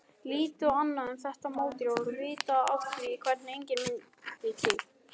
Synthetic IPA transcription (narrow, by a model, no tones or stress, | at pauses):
liːt̪ʏanːaɛnθɛht̪amoːwt̪ɪɾavɛɾʏvɪːt̪aaft̪ɾiikʰvɛɾt̪nɪejɲcɪnmɪn | t̪iːt̪ɪ